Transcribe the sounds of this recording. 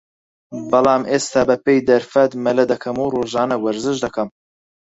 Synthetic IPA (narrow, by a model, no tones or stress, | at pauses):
bɐlˠɑːmʔeːst̪aːbɐpejd̪ɐɾfɐt̪mɐlɐd̪ɐkʰɐmuːroːʒɑːnɐwɐɾzɨʒd̪ɐkɐm